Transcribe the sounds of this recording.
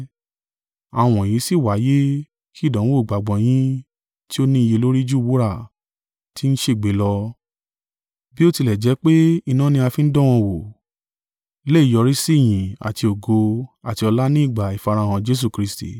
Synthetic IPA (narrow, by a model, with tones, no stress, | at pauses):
a˨w̃ɔ̃˨jĩ˨˦si˦˨wa˨˦je˦ | ki˦˨dã˨˦o˦˨ɡ͡ba˨ɡ͡bɔ̃˨j̃ĩ˦ | ti˦o˦nĩ˦i˧je˧lo˦ɾi˦d͡ʒu˦˨wu˦ɾa˦˨ | ti˦n̩˦ʃe˦˨ɡ͡be˨˦lɔ˧ | bi˦o˦ti˧lɛ˨d͡ʒɛ˨˦k͡pe˦i˧nã˦nĩ˧˦a˧fĩ˦n̩˦dɔ̃˦w̃ɔ̃˧wo˨ | le˦˨jɔ˧ɾi˦si˦˨j̃ĩ˨a̰˨ti˧o˨ɡo˧a˨ti˧˦ɔ˧la˦nĩ˦i˦˨ɡ͡ba˨i˨fa˧ɾa˧˦˨w̃ɔ̃˧d͡ʒe˦s̬u˦˨kɾi˧˦stḭ˦˨